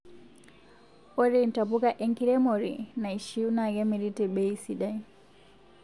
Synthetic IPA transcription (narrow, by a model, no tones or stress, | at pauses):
ʔoɾintapukaʔeŋkiɾɛmoɾḭnajʃiwnaɡɛmiɾitɛɓejsiɗaj